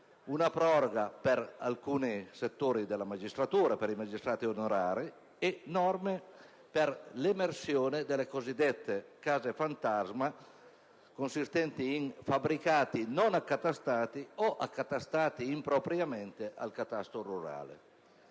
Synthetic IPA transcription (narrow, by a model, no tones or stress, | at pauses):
unapɾɔɾoɡapeɾa̰lkuːniset̪ːoːɾid̪elamad͡ʒist̪ɾat̪uːɾapeɾimad͡ʒist̪ɾaːt̪ionoɾaːɾi | ɛnɔrme | peɾlemersjoːned̪elekozid̪ːɛt̪ːekaːzefant̪azma | konsist̪ɛnt̪iːnfabɾikaːt̪inonakːat̪ast̪aːt̪iɔʔa̰kːat̪ast̪aːt̪iːmpɾopɾjamɛnt̪eʔa̰lkat̪ast̪ɾoruɾa̰ːlḛ